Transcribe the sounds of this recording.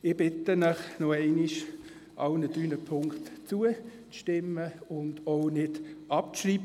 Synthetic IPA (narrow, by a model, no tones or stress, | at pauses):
ɪb̥ɪtənəχnɔɛɪniʃ | ʔɑʊnədyːnəpʰʊŋkχtt͡suə | t͡sʃtɪmːəʊndoʊnɪd̥ɑp̚t͡sriːbə